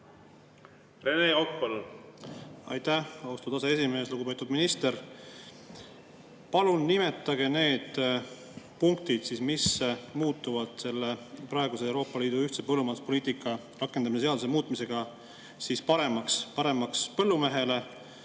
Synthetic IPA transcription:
re̞neok̚pol | ɑ̰jt̪ːæhɑwst̪ud̪ɑsee̞s̬ime̞ːsluɡ̥upe̞t̪ːˑud̪minist̪e̞ɾ | pɑlunːime̞t̪ːˑɑɡ̥e̞ne̞ːd̪̥ | puŋk̚t̪id̪̥sismismuːt̪ːˑuvɑd̪̥se̞lːepɾɑeɡusewɾo̞ːpːˑɑliːd̪̥uyht̪se̞pɤlːumɑd̪uspo̞liːt̪ikːˑɑ | rɑkːˑe̞nd̪ɑmiseeɑd̪usemuːt̪ˑmise̞ɡ̥ɑ | sispɑɾe̞mɑkspɑɾe̞mɑkspɤ̞lːume̞ɦe̞le̞

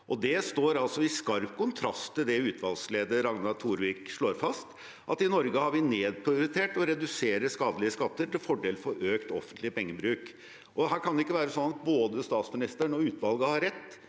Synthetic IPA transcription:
ʔɔd̪ɛst̪oːɾɑlsɔɪskɑɾpkʰʊnt̪ʰɾɑst̪ʰːɪld̪ɛʉːt̪ʋɑlsleːd̪əɾɑŋnɑt̪ʰuːɾʋiːkʂɭoːɾfɑst̪ | ʔɑt̪ɪnɔɾɡəhɑɾʋɪneːd̪̚pʰɾɪʊɾɪt̪ʰeːʈɔɾɛd̪ʉseːɾəskɑːd̪əlɪəskɑt̪ːəʈɪlfɔɖeːlfɔɾøːkt̪ɔ̰fənt̪lɪəpɛŋːəbɾʉːk | ʔɔɦæːɾkʰɑnd̪ɛɪkːəʋæːɾəsɔnɑt̪̚boːd̪əst̪ɑːt̪smɪnɪst̪əɳɔʉːt̪ʋɑlɡəhɑɾɛt̪ː

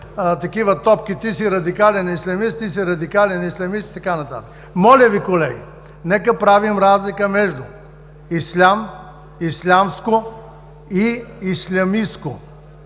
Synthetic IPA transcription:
t̪ɐkivət̪ɔpk̟it̪isiɾɐd̪ikalɛnislʲɐmist̪ːisiɾɐd̪ikalɛnislʲɐmist̪i̥t̪ɐkanɐt̪a̰t̪ə̥k | mɔlʲɐvikolɛɡḭ | nɛkəpɾavimɾazlikəmɛʒd̪ʊ | islʲam | islʲamsko | iislʲɐmisko

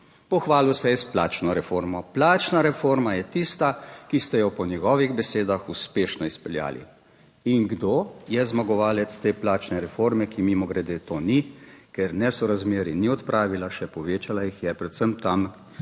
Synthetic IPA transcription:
pɔxʋaːlusɛjɛsplaːt͡ʃnɔɾɛfoːɾmɔplaːt͡ʃnaɾɛfoːɾmajɛt̪ist̪akist̪ɛjɔpɔnjɛɡɔːʋiɣbɛseːd̪axuspeːʃnɔispɛlja̰ːlḭ | iŋɡd̪oːjɛzmaɡɔʋaːlɛt̪st̪eːplaːt͡ʃnɛɾɛfoɾmɛkimimɔɡɾɛd̪eːt̪onikɛɾnɛsɔɾazmeːɾiniɔt̪pɾʔaːʋilaʃɛpɔʋeːt͡ʃalajixjɛpɾɛt̪səmt̪am

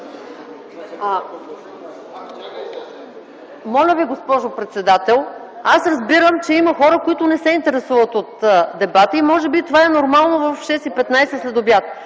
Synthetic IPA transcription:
mɔlʲəviɡospɔʒopɾɛt̪sɛd̪at̪ɛlˠ | asɾɐzbiɾəmt͡ʃɛiməxɔɾəkoit̪ʊnɛsɛint̪ɛɾɛsuvət̪ot̪d̪ɛbat̪əimɔʒɛbit̪ovaɛnoɾmalˠnovəfʃɛsipɛt̪najsɛslɛd̪ʊbjat̪

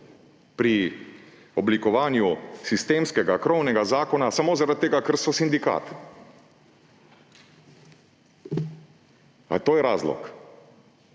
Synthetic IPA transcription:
pɾi | ɔblikɔʋaːnjusist̪eːmskɛɡakɾɔwnɛɡazaːkɔnasamoːzaɾat̪t̪ːeːɡakəɾsɔsind̪ika̰ːt̪ | a̰t̪oːjɛɾaːzlɔ̰k

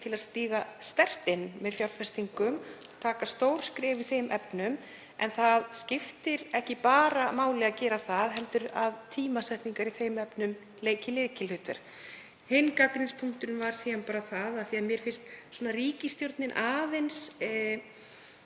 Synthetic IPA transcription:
t̪ʰɪlast̪iːɣast̪ɛr̥t̪ɪnːmɛðfjawɾfɛst̪iŋkʏmɔt̪ʰaːkast̪owɾ̥skɾɛːviθejmʔɛpnʏm | ɛnθaðscɪft̪ɪɾɛhcɪpaːɾamaːwlɛɣacɛːɾaθaðɦɛlt̪ʏɾaðt̪ʰiːmasɛht̪niŋkaɾiθejmɛpnʏm | leːjcɪlɪðcɪlhʏːt̪ɛ̰ɾ̥ | hejnkakɾɪnspʰuŋ̥t̪ʏnvaɾ̥siːanpaːɾaθaðaθiaðmjɛɾ̥fɪn̥st̪sɔːnariːcɪst̪jowɾt̪nɪnʔaːðens

